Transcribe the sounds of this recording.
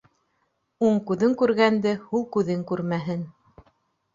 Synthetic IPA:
uɴkʉðɵŋkʉɾɡænd̪ɘhulˠkʉðɘŋkʉɾmæɦɘn

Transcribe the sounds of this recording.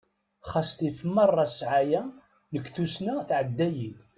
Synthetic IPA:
χɑst̪ifəmːɑrˤːɑsʕajæ | nəkːθusnæθʕəd̪ːæjit̪

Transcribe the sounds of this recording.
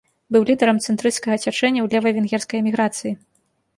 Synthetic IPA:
bɨwlʲid̪ɐɾɐmt̪sɛnt̪ɾɨt̪skɐɣɐt͡sʲat͡ʂɛnʲːɐwlʲɛvɐvʲɛnɣʲɛrskɐjɛmʲiɣɾat̪sɨji

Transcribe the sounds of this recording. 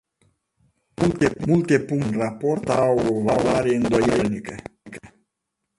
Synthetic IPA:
mult̪emult̪e̞puŋnrapo̞rt̪awvalaɾeeɨnd̪o̞jelnikəkə

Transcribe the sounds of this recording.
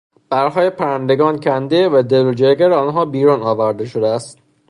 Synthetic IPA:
b̥æɾɦɒːjepʰæɾænd̪eɡɒːncʰænd̪evæd̪elod͡ʒeɾɡæɾeɒːnɦɒːbiːɾuːnɒːvæɾd̪e̞ʃod̪eæst̪̚

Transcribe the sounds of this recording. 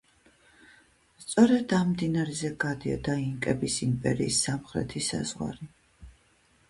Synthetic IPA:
st̪sʼɔɾɛd̪amd̪inaɾɛzɛɡad̪iɔ̰d̪aiŋkʼɛbisimpʼɛɾiːsːamχɾɛ̰t̪ʰisa̰z̥ʁwa̰ɾi

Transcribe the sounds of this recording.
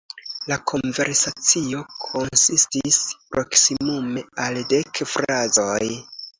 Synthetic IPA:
lakʰo̞nve̞ɾsat͡sio̞kʰo̞nsistispɾo̞ksimume̞alde̞kfɾazo̞j

